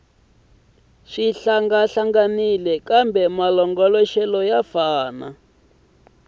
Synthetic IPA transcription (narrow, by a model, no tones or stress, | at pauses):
ʂiɬaŋɡaɬaŋɡanilɛkambɛmalɔŋɡɔlɔʃɛlɔjafaːna